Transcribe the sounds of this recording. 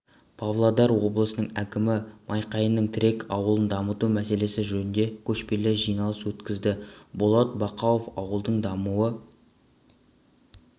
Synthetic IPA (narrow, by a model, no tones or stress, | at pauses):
pʰɑvlˠad̪ɑɾwo̞blˠəsənəɴækʲɪmɪmʔɑjqɑjənːəɴt̪ʰɪɾe̞kʰɑwəlˠənd̪ɑmət̪umæse̞le̞sɪʒɵnɪnd̪e̞kʲʰɵʃpe̞lɪʒijnɑlˠəswɵt̪kʲɪzd̪ɪbolˠɑt̪̚bɑqɑw̪ofɑwəlˠd̪əɴd̪ɑmuə